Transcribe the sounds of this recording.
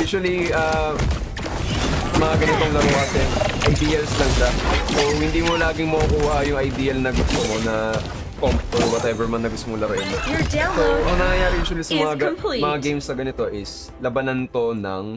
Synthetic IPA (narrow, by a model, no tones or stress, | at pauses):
juːʃuɐlia | sɐmɐŋaɡɐnɪt̪o̞ŋlɐɾɐwasɛʔɐjd̪iːjɐlslɐŋʃasowhɪnd̪iːmolaːɡɪŋmɐʔʊkuːhɐʔjʊŋɐjd̪iːjɐlnɐɡʊst̪omo̞nɐ | kompt̪olwɐt̪ʔɛvɛɹmɐnːɐɡʊst̪omʊlɐɾɪnjd͡ʒoɐŋnɐŋjɐjaːɾɪjuːʃʊwɐlisɐmɐŋamɐŋaɡejmsɐɡɐnɪt̪o̞ʔɪs | lɐbɐnɐnt̪o̞nɐ̰ŋ